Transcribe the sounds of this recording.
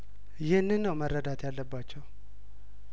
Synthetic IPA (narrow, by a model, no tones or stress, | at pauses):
jɪhɨnːɨnːəwmərːəd̪at̪jalːəbːat͡ʃːɛw